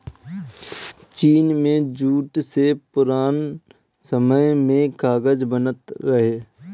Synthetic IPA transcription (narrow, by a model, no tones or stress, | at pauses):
t͡ʃiːnmẽd͡ʒuːʈsepʊɾaːn | səməjmẽkaːɡəd͡ʒbənət̪ɾəɦeː